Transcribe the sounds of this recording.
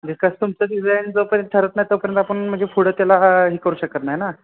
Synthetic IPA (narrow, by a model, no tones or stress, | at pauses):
d̪iskast̪umt͡səɖid͡zajnd͡zəpəɾjə̃nt̪̚ʈ̪ʰəɾət̪najt̪əpəɾjənt̪apəɳm̤əɳd͡zefuɽət̪ːjalaɦiːkəɾuːɕəkət̪najena